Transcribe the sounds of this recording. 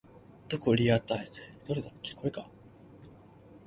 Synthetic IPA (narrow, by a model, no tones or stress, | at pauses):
d̪̥okɯɾʲiaɾɯt̪ained̪̥oɾe̞d̪at̪ʰːe̥ko̞ɾe̞ka